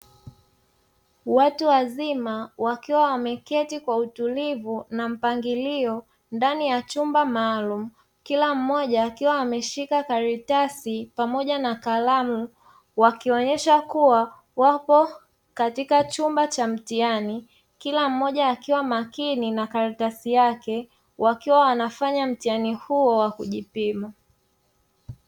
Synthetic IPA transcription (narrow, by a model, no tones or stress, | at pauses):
watuwazimawakiwawamɛkɛtikwautulivunam̩paŋɡiliɔ | ndanijat͡ʃumbamaːlumu | kilam̩mɔʄaːkiwawamɛʃikakaɾitasipamɔʄanakalamu | wakiɔɲɛʃakuwa | wapɔ | katikat͡ʃumbat͡ʃam̩tiani | kilam̩mɔʄaːkiwamakininakaɾitasijakɛ | wʔakiwawanafaɲam̩tianihuɔwakuʄipima